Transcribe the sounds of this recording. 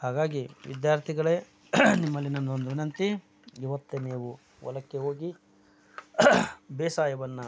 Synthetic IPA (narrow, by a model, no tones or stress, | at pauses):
haːɡaːɡiʋḭd̪jaːɾt̪ʰiɡɐɭe | nimːɐlːinɐnd̪ond̪uʋinɐnt̪i | iʋɐt̪ːeniːʋu | ʋɔ̰lɐkːeɦoːɡi | beːsaːjɐʋɐnːɐ